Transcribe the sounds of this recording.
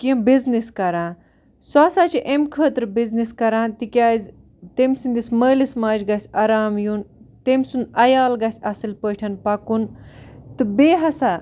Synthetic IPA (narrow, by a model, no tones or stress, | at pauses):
kiɐmbizniskɐɾãː | swaːsat͡ʃʰiʔemkʰəːt̪ɾbizniskɐɾãːnt̪ikʲjaːzʲ | t̪emʲsind̪isʲməːlismaːd͡ʒɡɐsʲɐɾaːmjunt̪emʲsunɐjaːlɡɐsʲɐsilpəːʈʰɐnpɐkunt̪ɨbeːɦɐsa